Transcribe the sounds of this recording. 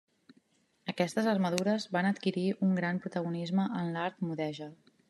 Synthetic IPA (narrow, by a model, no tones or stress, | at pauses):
əkɛst̪əzərməðuɾəzβanət̪kiɾiʔuŋɡɾampɾut̪əɣunizməʔənlaɾt̪muðɛʒə